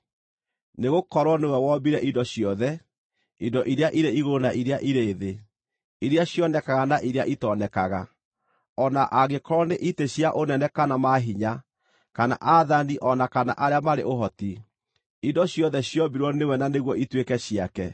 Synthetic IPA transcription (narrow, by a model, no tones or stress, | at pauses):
neɣokɔɾwɔnewɛwɔbiɾɛʔindɔɕjɔðɛ | indɔʔiɾeaʔiɾeiɣonaʔiɾeaʔiɾeːðe | iɾeaɕjɔnɛkaɣanaʔiɾea̰ʔitɔnɛkaɣa | ɔnaʔaɣekɔɾwɔneʔiteɕjaʔonɛnɛkanamaɦiɲa | kana̰ʔaðaniʔɔnakana̰ʔaɾeamaɾḛʔoɦɔti | indɔɕjɔðɛɕjɔbiɾwɔnewɛnaneɣwɔitwekɛɕiakɛ